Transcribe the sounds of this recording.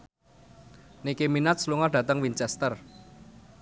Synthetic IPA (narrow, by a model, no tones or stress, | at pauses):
nikeminat̪̚sluŋɔɖ̥ä̤t̪əŋwint͡ʃɛst̪ər